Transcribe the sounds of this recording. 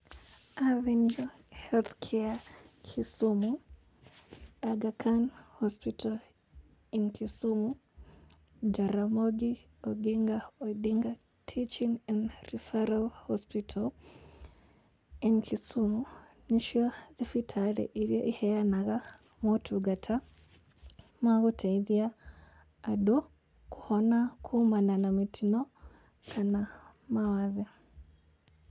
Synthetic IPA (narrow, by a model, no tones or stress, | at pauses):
avind͡ʒo | hɛlθkʰɛakʰisumu | aɡakʰanhɔspitʰal | inkisumu | d͡ʒaɾamoɡi | oɡiŋɡaodiŋɡa | tʰit͡ʃiŋɛnrifaɾalhɔspitʰal | enkʰisu | niʃaðifitʰalɛ̰ʔiɾjoʔihɛjanaɣa | motʰuɡatʰa | maɣutʰaiðjaː | du | kuhonakʰumananamitʰino | kʰana | mawaði